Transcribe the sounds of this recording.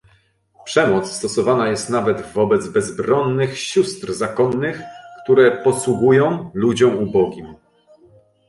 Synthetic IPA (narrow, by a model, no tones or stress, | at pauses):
pʂɛmɔt̪sst̪ɔsɔvanajɛst̪navɛd̪vɔbɛd̪zbɛzbɾɔnːɘxɕust̪ɾzakɔnːɘxkt̪uɾɛpɔswuɡujɔ̃w̃lud͡ʑɔ̃w̃ubɔɡʲim